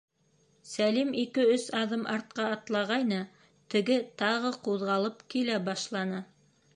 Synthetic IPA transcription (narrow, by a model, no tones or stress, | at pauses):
sælimikɘɵsɑðɤmʔɑɾt̪̚qɑːt̪lˠɑʁɑjnɤ | t̪ɘ̆ɡɘt̪ɑʁɤquðʁɑlˠɤpkilæbɑʃlˠɑnɤ